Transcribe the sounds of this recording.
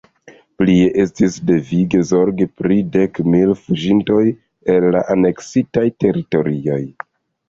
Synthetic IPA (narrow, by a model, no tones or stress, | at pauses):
plie̞ʔe̞stisde̞viɡe̞zo̞ɾɡipɾide̞kmilfuʒinto̞j | e̞lːa̰ʔane̞ksitajte̞ɾito̞ɾio̞j